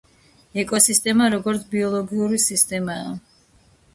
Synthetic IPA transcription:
ɛkʼɔsist̪ʼɛmaɾɔɡɔɾt̪sʰbiɔlˠɔɡiuɾisist̪ʼɛmaː

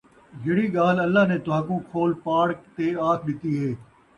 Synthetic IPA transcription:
jeɽiːɠaːləlːaːnẽːt̪ʊɦaːkũːkʰoːlpaːɽk̚t̪eːaːk̚ʰɗ̪ɪt̪iːɦeː

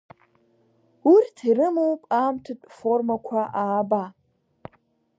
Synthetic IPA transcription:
urtʰirɨmuwpʼamtʰɨtʼformakʷʰaʔaːba

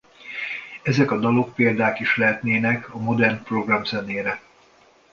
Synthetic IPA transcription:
ɛzɛkɒd̪ɒlo̞kpeːld̪aːkiʃlɛɦɛt̪neːnɛkɒmo̞d̪ɛrnpro̞ɡrɒmzɛneːɾɛ

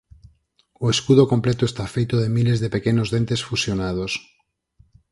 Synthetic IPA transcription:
oeskuðokomplet̪oest̪afejt̪oðemilezðepekenozðent̪esfusjonað̞os

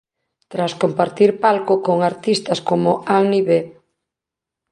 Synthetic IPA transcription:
t̪ɾaskompaɾt̪iɾpalkʊkoŋaɾt̪ist̪ɐskomʊawniβe

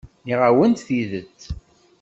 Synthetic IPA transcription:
iʁawənt̪θiðət͡sː

